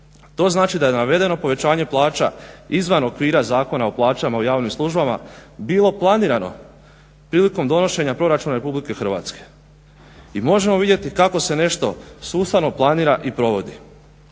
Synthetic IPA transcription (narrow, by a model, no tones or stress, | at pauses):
t̪o̞ːznaːt͡ʃid̪ajenaʋe̞d̪e̞no̞po̞ʋe̞t͡ɕaːɲe̞plˠaːt͡ʃa̰izʋano̞kʋiːɾazaːko̞naoplˠaːt͡ʃamaojaːʋnimslˠuʒbama̰biːlˠo̞plˠaniːɾano̞̰ | pɾiːliko̞md̪o̞no̞ʃe̞ɲapɾo̞ɾat͡ʃuːnaɾe̞publike̞xr̩ʋa̰ːt̪ske̞̥ | imo̞ʒemo̞ʋid̪je̞t̪ikako̞se̞ne̞ʃt̪o̞suːst̪ano̞plˠaniːɾaʔipɾo̞ʋo̞d̪i